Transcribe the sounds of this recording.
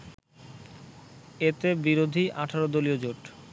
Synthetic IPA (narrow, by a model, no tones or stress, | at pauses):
et̪ebiɾod̪ʱiʔaʈʰaɾod̪oliod͡ʑoʈ